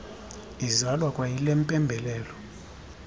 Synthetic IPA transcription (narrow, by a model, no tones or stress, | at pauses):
izalwakʼwajilem̩pʼɛmbʱɛlɛːlɔ